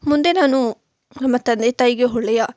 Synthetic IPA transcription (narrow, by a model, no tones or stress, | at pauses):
mʊ̃nd̪enaːnũː | mət̪əd̪et̪aːiɡeɦoːleːjaː